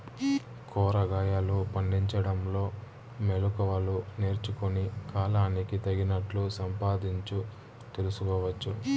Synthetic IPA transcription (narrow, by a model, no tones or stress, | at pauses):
kɔːɾɐɡaːjaːlupɐɳɖiɲt͡ʃɐɽɐmlo̞ː | melukɔʋɐlune̞ːɾt͡ʃukunikaːlaːnikit̪ɐɡinɐʈlusɐmpaːd̪iɲt͡ʃu | t̪e̞lusukɔːʋɐt͡ʃːu